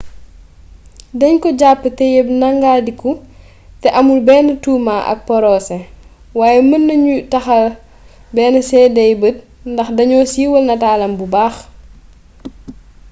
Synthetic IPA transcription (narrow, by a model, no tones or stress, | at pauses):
dɐɲkɔɟapːətɛjɛbnɐŋɡaːdiku | tɛʔɐmulbɛːnətuːmaːʔɐ̰k̚pɔɾɔːsɛ | waːjɛmənːɐɲutɐxɐl | bɛːnəsɛdɐjbət̚ | ndɐxdɐɲɔːsiːwəlnɐtaːlɐmbubaːx